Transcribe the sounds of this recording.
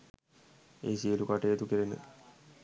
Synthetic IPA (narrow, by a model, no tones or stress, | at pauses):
eːsiəlukaʈejet̪ukəɾenə̰